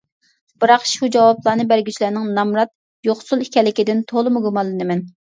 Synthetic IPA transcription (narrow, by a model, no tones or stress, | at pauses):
b̥ɨɾɑqʃud͡ʒɑwɑplˠɑːnɨbæɾɡʲyt͡ʃʰlænɪŋnɑmɾɑt̪̚ | joχsulˠikʲɛlːɪkʲid̪ɪnt̪ʰolˠɨmuɡumɑlˠːɨnɨmɛn